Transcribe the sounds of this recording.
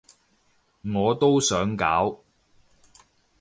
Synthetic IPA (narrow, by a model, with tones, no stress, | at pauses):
ŋɔː˨˧t̪o˥wsœː˨˥ŋkaː˨˥w